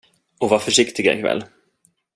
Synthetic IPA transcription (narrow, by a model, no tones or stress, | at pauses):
ɔvafœʂɪkt̪ɪɡaɪ̰kʰvɛ̰lː